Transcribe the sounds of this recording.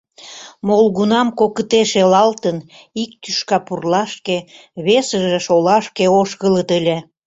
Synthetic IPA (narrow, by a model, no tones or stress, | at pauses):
molɣunɑmkokət̪eʃelɑlt̪ən | ik̚t̪yʃkɑpurlɑʃke | βesəʒeʃolɑʃkeoʃɣələt̪əlʲe